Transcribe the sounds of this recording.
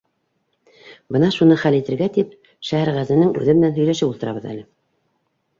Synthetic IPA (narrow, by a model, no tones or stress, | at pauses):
bɤnɑʃunɤχælit̪ɘ̆ɾɡæt̪ip̚ | ʃæhæɾʁæzænɘŋʉ̰ðɘ̆mɘ̆nænɦɵ̆jlæʃɘpulˠt̪ɤ̆ɾɑβɤ̆ðæ̰lɘ